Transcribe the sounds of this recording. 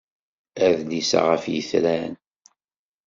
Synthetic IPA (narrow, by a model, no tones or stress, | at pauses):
æðnisa̰ʁəfjəθɾæn